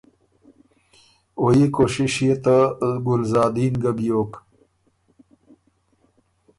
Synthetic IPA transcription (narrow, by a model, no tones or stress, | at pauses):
ojekoɕiɕjet̪aɡʊlzɑːd̪inɡəbjoːk